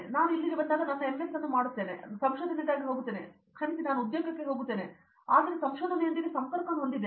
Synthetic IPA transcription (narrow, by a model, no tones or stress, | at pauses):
naːnuilːiɾɐbɐt̪ɐlɐnaːnːɐemesɐnːumaːɽut̪ːeːnḛsɐmʃoːd̪ʱɐned̪aːɡiɦoːɡut̪ːeːne | kʰɐɾisinaːnuud̪joːɡɐkːe̞ɦoːɡut̪ːe̞ːne | aːd̪ɐɾesɐmʃoːd̪ʱɐnejɐnd̪iɾisɐŋkɐɾkɐnɦond̪id̪ːe